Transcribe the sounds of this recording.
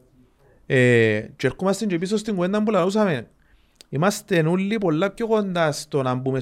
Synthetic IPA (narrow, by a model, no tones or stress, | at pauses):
et͡ʃeɾkumast̪ind͡ʒep̬is̬ost̪iŋɡwend̪ambulalus̬ame | imast̪enulːip̬olːap̚kːjokond̪ast̪onambume